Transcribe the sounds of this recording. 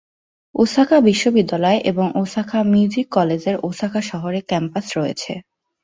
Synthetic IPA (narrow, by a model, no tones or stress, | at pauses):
osakʰabiʃːobid̪ːalɔeʔeboŋʔosakʰamiud͡ʑikːɔled͡ʑeɾʔosakʰaʃɔɦoɾekɛmpasɾɔjḛt͡ɕʰḛ